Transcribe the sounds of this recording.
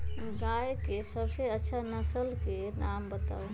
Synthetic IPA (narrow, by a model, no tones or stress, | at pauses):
ɡaːjkesəbseətːʃʰanəsəlke | naːmbət̪a̰ːo